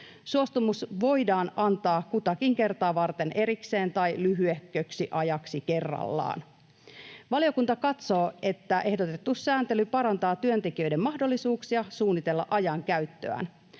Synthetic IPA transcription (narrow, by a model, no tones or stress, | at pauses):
suo̞st̪umusʋo̞jdɑːnɑnt̪ɑːkut̪ɑkiŋke̞rt̪ɑːʋɑrt̪enʔe̞ɾikse̞ːnt̪ɑjlyɦyehkːøksiʔɑjɑksike̞rːɑ̰lːɑ̰ːn | ʋɑlijo̞kunt̪ɑkɑt̪so̞ːe̞t̪ːæʔe̞hdo̞t̪e̞t̪ːusːæːnt̪elypɑɾɑnt̪ɑːt̪yønt̪e̞k̟iø̞jde̞mːɑɦdolːisuːksiɑsuːnːit̪e̞lːɑ̰ʔɑjɑŋkæɥt̪ːø̰æ̰n